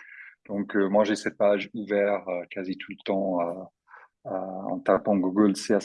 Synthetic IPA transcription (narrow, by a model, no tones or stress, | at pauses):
d̪̥ɔ̃kəmwaʒesɛt̪̚paʒuvɛʁøkʰazit̪ʰulət̪ɑ̃ø | øɑ̰̃t̪apɑ̃ɡuɡəlsea